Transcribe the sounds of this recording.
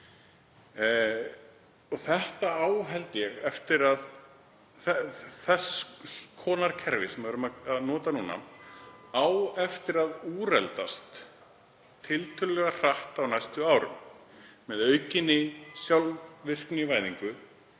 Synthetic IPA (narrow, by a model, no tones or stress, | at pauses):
ɔθɛht̪aaːwɦɛlt̪jɛɣɛft̪ɪɾað | θɛθɛskʰɔːnaɾkʰɛɾvɪsɛmvʏɾʏmaaðnɔːt̪anuːna̰ | awɛft̪ɪɾaðuːrɛ̰lt̪ast̪ | t̪ʰːɪlt̪ʰœllɛɣar̥aht̪awnajst̪ʏaːwɾʏ̰m | mɛðœɥcɪnːɪsjawlvɪr̥knɪvaːjðiŋkʏ